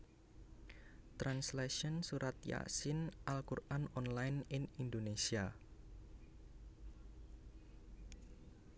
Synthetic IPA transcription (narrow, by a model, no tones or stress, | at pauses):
t̪ɾansleʃɔnsuɾat̪ja̰sɪnʔalkuranɔnlajnɪnind̪onesia